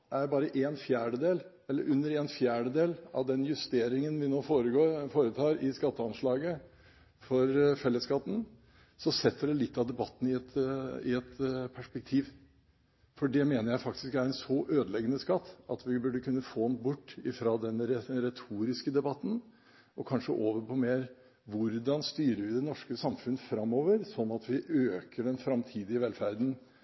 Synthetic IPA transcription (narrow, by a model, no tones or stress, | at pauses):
ʔæɾbɑːɾəʔeːnfjæːɖəd̪eːl | ɛlːə̰ɾʔʉnːəɾeːnfjæːɖəd̪eːlɑ̰ʋd̪ɛnjʉst̪eːɾɪŋənʋɪnoːfoːɾəɡoːɾfoːɾət̪ʰɑːɾɪskɑt̪ːəɑnʂɭɑːɡə | fɔɾfɛlːəskɑt̪ːn̩ | sɔsɛt̪ːəɖɛlɪt̪ːɑʋd̪ɛbɑt̪ːn̩ɪɛt̪ɪ̰ɛt̪pʰæʂpɛk̚t̪ʰiːʋ | fɔɖɛmeːnəɾjæɪfɑk̚t̪ɪskæɾɛnsɔʔøːd̪əlɛɡənəskɑt̪ːɑt̪ʋɪbʉɖəkʉnːəfoːnbʊʈːɪfɾɑd̪ɛnəɾɛɾɛt̪ʰuːɾɪskəd̪ɛbɑt̪ːn̩ | ʔɔkʰɑnʂə̰ʔoːʋəɾpʰɔmeːɾ | ʋʊɾd̪ɑnst̪yːɾəʋɪd̪ɛnɔʂkəsɑmfʉnːəfɾɑmːoːʋəɾsɔnːɑt̪ʋɪʔøːkəɖɛnfɾɑmt̪ʰiːd̪ɪəʋɛlfæɾd̪n̩